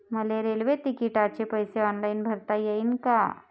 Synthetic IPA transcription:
məleɾelʋet̪ikiʈat͡ɕepəjseɔːnlajinbʱəɾt̪ajəjnka

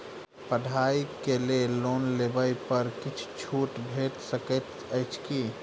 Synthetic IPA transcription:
pəɽ̤ʱaːikeleloːnlebəipəɾkɪt͡ʃʰt͡ʃʰuːʈbʱeːʈsəkət̪ | əɪt͡ʃʰki

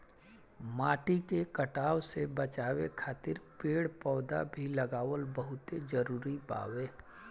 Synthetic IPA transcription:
maːʈikekəʈaːwsebət͡ʃaːwḛkʰaːt̪ɪɾpeːɽpɔːd̪a̰bʱiləɡaːʋəlbəɦʊt̪ed͡ʒəɾuːɾipa̰ːʋeː

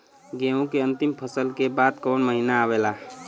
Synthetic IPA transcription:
ɡeõkeənt̪impʰəsəlkebad̪koːnməɦinaːwela

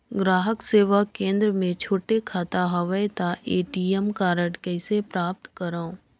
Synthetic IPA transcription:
ɡɾaːɦəkseːʋakẽːnd̪ɾəmẽt͡ʃʰoːʈekʰaːt̪aɦəʋəjt̪aʔeːʈiɛmkaːɾəʈkəɪsepɾaːp̚t̪kəɾaõː

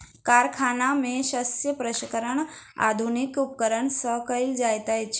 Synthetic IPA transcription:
kaɾkʰaːnamẽʃəsjəpɾəʃəkəɾəɳ̃a̰d̪ʱunikup̚kəɾəɳsəkəild͡ʒajt̪ajt͡ʃʰ

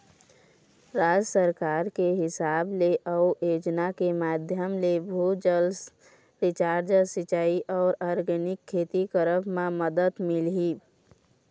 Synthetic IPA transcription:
ɾaːd͡ʒsəɾkaɾkeɦɪsaːbleʔəujod͡ʒnakemad̪ʱjəmlebʱud͡ʒəls | ɾit͡ʃaːɾd͡ʒəsɪt͡ʃaːiʔɔːɾɔɾɡənɪkʰːet̪ikəɾəbmãməd̪ət̪mɪlɦi

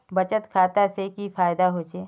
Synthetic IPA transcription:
bɐt͡ʃət̪kʰaːt̪asekipʰaːjd̪aɦoːd͡ʒeː

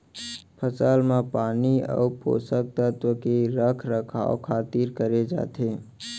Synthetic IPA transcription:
pʰəsaːlmãpaːniə̰upo̰ːsək̚t̪ət̪wəkeɾəkʰɾəkʰa̰ːo̰kʰaːt̪iɾkəɾed͡ʒa̰ːt̪ʰeː

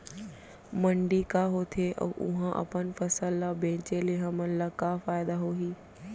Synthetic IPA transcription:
mɐɳɖikaɦot̪ʰeʔɔ̰ʔʊ̰ɦãʔɐ̰pənfɐsəlːabẽːt͡ɕeleɦəmənlakafaːɪd̪aɦoːɦiː

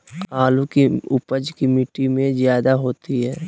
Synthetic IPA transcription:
aːlukiʊpəd͡ʒkimɪʈːimẽzjaːd̪aɦoːt̪iɦɛː

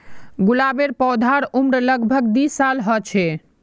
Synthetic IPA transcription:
ɡulabeɾpɔwd̪ʱaɾumɾələɡbʱəɡd̪isalɦɔt͡ʃʰɛ

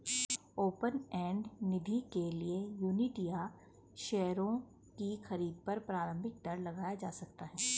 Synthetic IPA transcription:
oːpənɛ̃ːɳɖnɪd̪ʱikeliejuːniʈija | ʃɛːəɾõ | kixɐɾiːd̪̚pɐɾpɾaːɾə̃mbʱɪk̚ɖ̪ɐɾlɐɡaːjad͡ʒaːsɐkt̪aɦɛː

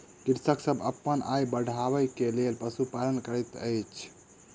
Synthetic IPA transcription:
kiɾsəksəbʱə̰pːənajbəɽ̤ʱaβəjkelelpəsupalənkəɾɛt̪ə̰jt͡ʃʰ

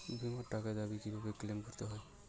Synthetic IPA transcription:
bʱimɔʈːakad̪abikibʱabeklemkɔɾt̪eɦɔe

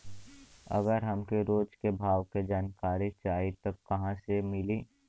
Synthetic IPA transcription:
ɐ̰ɡəɾɦɐmkeɾoːd͡ʒkebʱaːʋked͡ʒaːnkaːɾit͡ʃaːit̪okɐɦãsemɪli

